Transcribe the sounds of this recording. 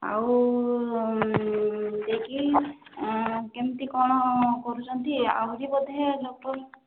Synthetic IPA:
a̰w | d̪eki | kemt̪ikɔɽ̃ɔkɔɾut͡ʃʰɔnt̪ia̰ɦuɾibɔd̪ʱed̪ʱɔk̚tɔɾ

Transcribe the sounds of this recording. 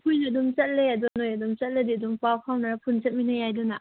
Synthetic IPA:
pʰujnɐdumt͡ʃɐt̚leɐdunojadumt͡sɐt̚ledidumpawpʰawnapʰunsat̚minajajduna

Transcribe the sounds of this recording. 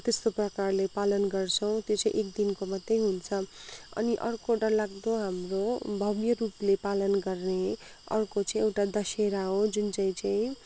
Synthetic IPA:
t̪est̪oprʌkarlepalʌnɡʌrt͡sʰʌw̃t̪jot͡sãḭ̃ʔek̚d̪inkomʌd̪jejɦunt͡sʰʌʌ̰niʔʌrkoɖʌlaɡd̪oɦamrobʱʌbjʌruplepalʌnɡʌrne | ʌ̰rkot͡saĩewʈad̪ʌseɾaɦod͡zunt͡saĩt͡saĩ

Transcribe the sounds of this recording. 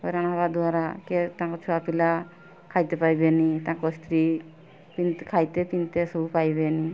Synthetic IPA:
ɔjɾanaβad̪uaɾakɛt̪aŋkɔt͡ʃʰuapila | kʰajt̪ɛpajbɛnit̪aŋkɔst̪ʰɾi | pinkʰajt̪ɛpint̪esɔbupajbɛni

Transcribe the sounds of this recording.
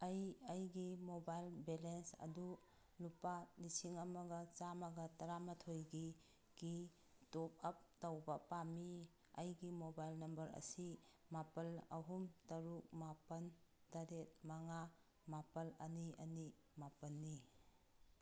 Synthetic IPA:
ɐjɐjɡimobajlbelensɐ̰du | lupalisiŋɐmɐɡɐt͡ʃamɐɡɐtɐɾamɐtʰojɡi | ɡ̥i | top̚ɐp̚tawbɐpami | ɐjɡimobajlnɐmbɐɾɐ̰simapɐlɐ̰ɦumtɐɾuk̚mapɐntaɾet̚mɐŋa | mapɐlɐniɐni | mapɐnːi

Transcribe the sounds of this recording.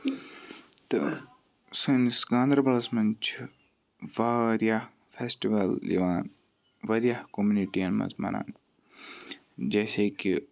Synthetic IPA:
t̪ɨ | sinsɡãːnd̪ɾɐbɐlɐsmɐnt͡ʃʰ | ʋaːɾjah | fʰeːsʈiʋɐlːḭʋaːn | ʋɐɾijahkomjuniʈiɐnmɐ̰zma̰na̰ːn | d͡ʒeːseki

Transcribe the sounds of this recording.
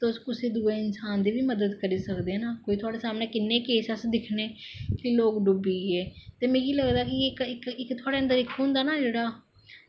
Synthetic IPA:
t̪ʊskʊsiːd̪uːeːɪnsaːnd̪iːʋiːməd̪əd̪kəɾiːsəkd̪eːnaːkoːiːt̪ʰʊaːɽeːsaːmneːkɪnːeːkeːsəsd̪ɪkʰneːkɪloːkɖʊbiːeːt̪eːmɛ̃ːiːləɡd̪aːkɪkɪkɪkt̪ʰʊaːɽeːənd̪əɾɪkʰːɦʊ̃nd̪aːnaːd͡ʒeːɽaː

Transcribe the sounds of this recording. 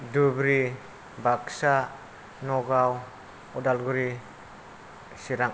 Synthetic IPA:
dubɾi | baksa | nɔɡaw | ɔdalɡuɾi | siɾaŋ

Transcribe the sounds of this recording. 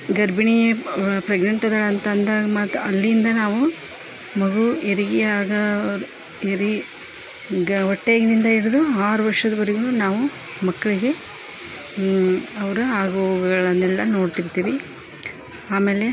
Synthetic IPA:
ɡɐɾbiɳijɐpɾɛɡɳɐɳʈɐd̪ɐɭɐnt̪ɐnd̪aːɡɐmɐt̪ːɐlːiːnd̪ɐnaːʋu | mɐɡueɾiɡijaːɡɐ | eɾi | ɡɔʈːeɡnind̪ɐiɽid̪uaːɾuʋɐɾʂɐd̪ɐʋɐɾiɡunaːʋu | mɐkːɐɭiɡe̞ | ɐʋɐɾuaːɡuɡɐɡɐɭɐnːɛlːɐno̞ːɽt̪iɾt̪iːʋi | aːmeːle̞

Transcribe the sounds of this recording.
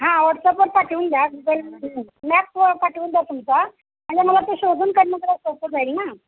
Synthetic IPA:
ɦãʋəʈsəpəɾkaʈuuːnd̪ʱjabid͡z̪ʱelmæp̚kaʈuːnd̪jat̪umt͡sa | m̤əɳd͡zeməlat̪eɕod̪ʱuːnkəɾnət̪əlasopəd͡zajlina

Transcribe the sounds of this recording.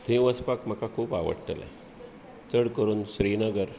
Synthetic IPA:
t̪ʰĩʋəspakm̤əkakʰuːpa̰ʋə̰ɽʈə̰la̰ | t͡səɽkəɾuːnɕɾinəɡəɾ

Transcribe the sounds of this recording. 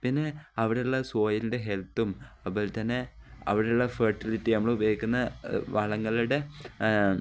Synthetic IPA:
pinːe̞ɐʋiɽeuɭːɐso̞ːjɐlinde̞ɦe̞lt̪ːum | ɐpːoːlt̪ɐnːe̞ɐ̰ʋiɽeuɭːɐfɐrʈːilitːinɐmːɐɭubjeːikʲːunːɐʋɐɭɐŋːɐɭuɽe̞

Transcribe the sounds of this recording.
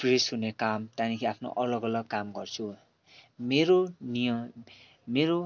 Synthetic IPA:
presɦunekamt̪anikʰiapʰno̰ʔʌlʌɡʌlʌɡkamɡʌrt͡sʰu | meɾonijʌ | meɾo

